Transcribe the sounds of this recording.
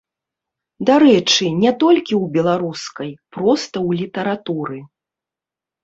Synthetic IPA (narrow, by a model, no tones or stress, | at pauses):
d̪aɾɛt͡ʂɨnʲɛt̪ɔlʲkʲiwbʲɛlˠaɾuskɐjpɾɔst̪ɐwlʲit̪ɐɾat̪uɾɨ